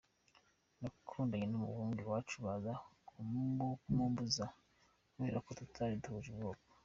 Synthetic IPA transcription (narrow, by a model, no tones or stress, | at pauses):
nakʰuːndaɲenumṵβuːŋɡiwat͡ʃuβazakʰumuŋɡokumuːmbuza | we̞ːɾʔakotutʰaɾiduhuʒibɡoːko